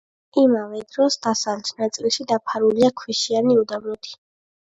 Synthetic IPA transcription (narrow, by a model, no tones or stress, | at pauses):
imavɛd̪ɾɔsd̪asalt͡ʃʰnat̪sʼilˠʃid̪apʰaɾuliakʰwiʃianiud̪amnɔt̪ʰi̥